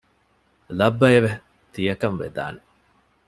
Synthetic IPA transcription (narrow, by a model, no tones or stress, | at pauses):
lɐbːɐjɐʋe | t̪ijɐkɐnʋḛd̪a̰ːne